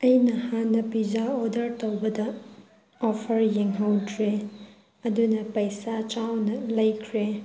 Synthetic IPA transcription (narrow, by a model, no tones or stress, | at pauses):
ɐjnɐhanːɐpid͡ʒaodɐɾtowbɐdɐ | ɔpʰɐɾjeŋɦɐwdɾe | ɐdunɐpɐjsat͡ʃawnɐlɐjkʰɾe